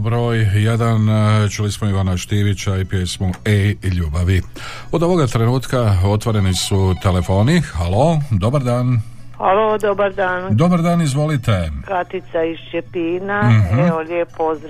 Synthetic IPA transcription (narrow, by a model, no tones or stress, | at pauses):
bɾo̞ːjjed̪ant͡ʃulismoiʋanaʃt̪iʋit͡ɕaipjelismoeiʎuːbaʋi | o̞d̪o̞ʋo̞ɡat̪ɾe̞nuːt̪kao̞t̪ʋoɾe̞nisut̪e̞le̞fo̞ːnixalo̞d̪o̞baɾd̪aːn | halod̪obaɾd̪aːnd̪o̞baɾd̪aːnizʋo̞lit̪e̞kat̪it̪saiʃt͡ʃepiːnaɦoljepːozɾ